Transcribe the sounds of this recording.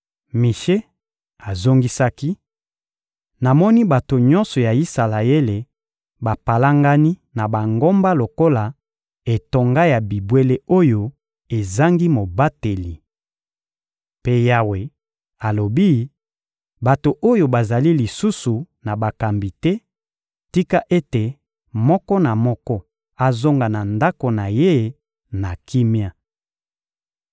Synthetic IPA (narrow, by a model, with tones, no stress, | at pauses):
mi˨ʃe˦ | a˨zo˦ŋɡi˦sa˦ki˦ | na˨mɔ˦ni˦ba˨to˨ɲɔ̃˦nsɔ˨ja˨i˦sa˨la˨e˦le˨ | ba˨pa˨la˦ŋɡa˦ni˦na˨ba˨ŋɡo˦mba˦lo˨ko˦la˨ | e˨to˨ŋɡa˦ja˨bi˨bwe˦le˦o˦jo˦ | e˨za˦ŋɡi˦mo˨ba˦te˨li˨ | pe˦ja˦we˨ | a˨lo˨bi˦ | ba˨to˨ʔo˦jo˨ba˨za˨li˦li˨su˦su˨ | na˨ba˨ka˨mbi˨tɛ˦ | ti˦ka˦ʔe˦te˨ | mɔ˦kɔ˦na˨mɔ˦kɔ˦ | a˨zo˦ŋɡa˨na˨nda˦ko˨na˨je˦˨ | na˨kʰi˦mja˦